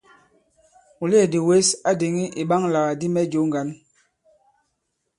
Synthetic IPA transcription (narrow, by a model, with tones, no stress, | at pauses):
u˨le˦˨di˨we˦sa˦de˨ŋi˦ʔi˨ɓa˦ŋla˨ɣa˨di˦mɛ˦d͡ʒo˨˦ŋ˦ɡa˨˦n